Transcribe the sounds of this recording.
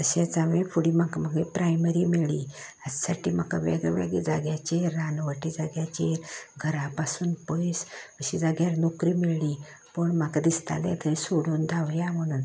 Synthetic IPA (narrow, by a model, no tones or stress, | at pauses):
t̪əɕãt͡samefuɽimakmaɡipɾajməɾimiɭli | ad͡zsaʈiːmakaʋḛɡɛʋḛɡed͡zaɡjat͡ɕeɾːanʋəʈid͡zaɡjat͡ɕeɾɡʱəɾãpasuːnpəjsəɕid͡zaɡjaɾnokɾiːmiɭliː | pəɳmakad̪ist̪a̰lɛ̰t̪ʰəɾisoɽuːnd̪aʋɾjaməɽ̃un